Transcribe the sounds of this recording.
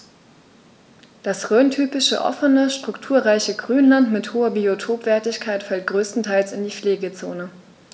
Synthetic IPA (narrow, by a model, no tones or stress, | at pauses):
d̥asʁøːntʰyːpɪʃə̰ʔɔ̰fənəʃtʁ̥ʊktʰuːɐʁaɪçəɡʁyːnlantmɪthoːɐbiotʰoːpv̥ɛɐtɪçkʰaɪtfɛlt̚ɡ̥ʁøːstn̩tʰaɪlsɪndiːfleːɡət͡so̰ːnə